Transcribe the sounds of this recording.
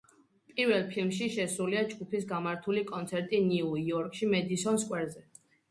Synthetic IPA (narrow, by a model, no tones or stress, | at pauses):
pʼiɾvɛlˠpʰilˠmʃiʃɛsuliad͡ʒɡupʰisɡamaɾt̪ʰulikʼɔnt̪sʰɛɾt̪ʼiniuiɔɾkʼʃimɛd̪isɔnskʼwɛɾzɛ